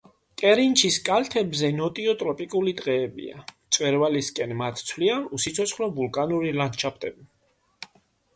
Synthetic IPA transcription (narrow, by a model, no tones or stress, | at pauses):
k̪ʼɛɾint͡ʃʰiskʼalt̪ʰɛbzɛnɔt̪ʼiɔt̪ʼɾɔpʼikʼulid̪qʼɛːbḭa̰t̪sʼwɛɾvaliskʼɛnmat̪ʰt̪sʰwlianusit̪sʰɔt̪sχlɔbulˠkʼanuɾilant͡ʃʰap̚ʰt̪ʼɛbi